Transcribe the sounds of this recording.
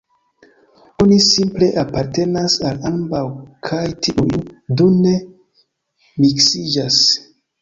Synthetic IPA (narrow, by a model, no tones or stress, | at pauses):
o̞nisimple̞ʔapaɾte̞nasalambawkʰajtʰiujdune | miksid͡ʒas